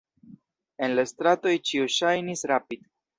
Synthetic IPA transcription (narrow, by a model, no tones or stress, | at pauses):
e̞nlastɾato̞jt͡ʃiuʃajnisɾapid̥